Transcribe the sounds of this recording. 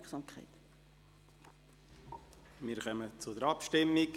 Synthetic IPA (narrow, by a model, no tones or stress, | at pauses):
sɑmkʰa̰ɪt | mɪːɾχœmət͡sʊdəɾɑpʃtɪmːik